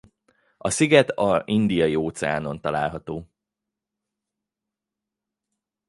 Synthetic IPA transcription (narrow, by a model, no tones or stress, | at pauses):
ɒsiɡɛt̪ɒind̪ijɒjioːt̪sɛa̰ːno̞nt̪ɒla̰ːlɦɒt̪oː